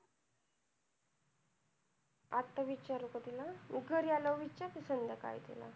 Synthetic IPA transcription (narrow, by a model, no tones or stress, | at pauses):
at̪ːaʋit͡ɕaɾukət̪ilaiɡʱəɾjaləwʋit͡ɕat̪isənd̪aka̰jt̪ḭla̰